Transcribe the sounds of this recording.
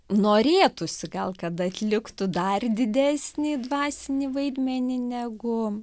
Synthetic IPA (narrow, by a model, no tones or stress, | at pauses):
noːɾʲeːt̪ʊsʲɪɡɐlˠkɐt̪ɐt̪ʲlʲɪkt̪ʊd̪ɐrd̪ʲɪd̪ʲæːsʲnʲiːd̪ʋɑːsʲɪnʲiːʋɐɪd̪ʲmʲɛnʲɪnʲæːɡʊ